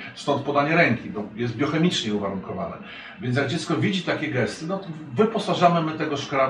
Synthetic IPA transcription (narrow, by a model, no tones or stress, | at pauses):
st̪ɔnt̪̚pɔd̪aɲɛɾɛŋkʲibɔjɛst̪̚bʲjɔxɛmʲit͡ʂɲɛuvaɾuŋkɔvanɛ̰ | vʲjɛnt̪̬ʲjaɡ̚d͡ʑɛt̪skɔvʲid͡ʑit̪akʲɛɡɛst̪ɘnɔt̪ɔ | vɘpɔsaʐamɘmɘt̪ɛɡɔʂkɾa